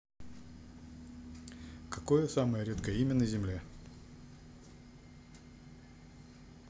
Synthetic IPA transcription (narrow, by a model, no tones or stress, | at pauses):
kɐkojəsaməjəɾʲet̪kəjəimʲənəzʲɪmlʲe